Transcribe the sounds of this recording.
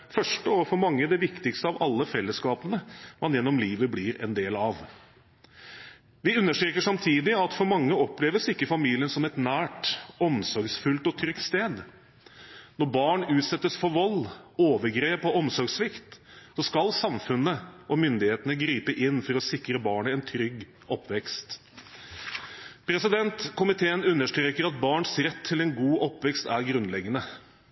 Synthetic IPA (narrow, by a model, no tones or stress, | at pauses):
fœʂʈəɔfɔɾmɑŋːəd̪ɛʋɪkt̪ɪkst̪əɑʋɑlːəfɛlːəskɑːpənəmɑnjɛnːɔmliːʋəblɪɾɛ̰nd̪eːlɑʋ | ʋɪʉnːəʂʈɾeːkəʂɑmt̪ʰiːd̪ɪɑt̪fɔɾmɑŋːəɔpleːʋəsɪkːəfɑmiːlɪənsɔmɛt̪næːʈɔmsɔɾɡsfʉlt̪ɔt̪ʰɾʏkt̪st̪eːd̪ | nɔɾbɑːɳʉːt̪sɛt̪ːəsfɔɾʋɔlːoːʋəɾɡɾeːpɔɔmsɔɾɡsʋɪkt̪sɔskɑlsɑmfʉnːəʔɔmʏnd̪ɪheːt̪ənəɡɾiːpəʔɪnːfɔɾɔsɪkɾəbɑːɳəɛnt̪ʰɾʏɡː | ɔpːʋɛkst̪ | pʰɾɛsɪd̪ɛnt̪kʊmɪt̪ʰeːənʉnːəʂʈ̪ɾeːkəɾɑt̪̚bɑːɳsɾɛt̪ʰːɪlɛnɡuːʔɔpːʋɛkst̪æɾɡɾʉnlɛɡːənə